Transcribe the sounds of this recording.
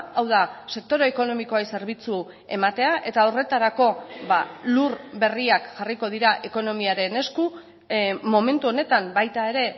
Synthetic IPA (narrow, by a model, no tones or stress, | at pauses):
awðase̞k̚t̪o̞ɾo̞eko̞no̞miko̞ajse̞ɾβ̞it͡su | e̞mat̪e̞aʔe̞t̪aore̞t̪aɾako̞βalurbe̞riakʝariko̞ð̞iɾaʔe̞ko̞no̞miaɾe̞ne̞sku | mo̞me̞nt̪uo̞ne̞t̪ambajt̪ae̞ɾe̞